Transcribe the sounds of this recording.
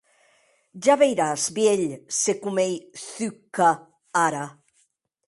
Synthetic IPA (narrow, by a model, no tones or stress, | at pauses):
ʒaβejɾazbjeʎsekumejθykːa | aɾa